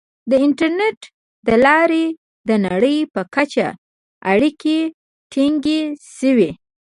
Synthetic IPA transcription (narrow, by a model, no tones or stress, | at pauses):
d̪əɪnʈaɾneʈ | d̪əlɑɾe | d̪ənaɽəjpəkat͡ʃa̰ | a̰ɽike | ʈiŋɡeʃəwi